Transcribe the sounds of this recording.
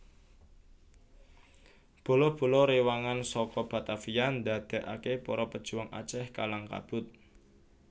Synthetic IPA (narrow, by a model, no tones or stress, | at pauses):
b̥o̤lɔb̥o̤lɔɾewaŋansɔkɔb̥a̤t̪afijand̪a̤d̪̥e̤ʔakepɔɾɔpəd̥ʒ̥ṳwaŋʔa̰t͡ʃɛhkalaŋka̰b̥ʊt̪̚